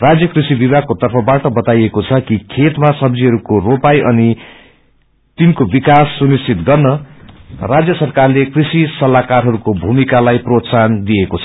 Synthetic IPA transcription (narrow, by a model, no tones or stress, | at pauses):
rad͡zjʌkrisibibʱakot̪ʌrpʰʌbaʈʌbʌt̪ajekot͡sʰʌkikʰet̪masʌb̚d͡ziɦʌɾukoropajʔʌni | t̪inkobikasːunist͡sʰit̪ɡʌrnʌ | rad͡zjʌsʌrkarlekrisisʌlakarɦʌɾukobʱumikalajprot̪sand̪iekot͡sʰʌ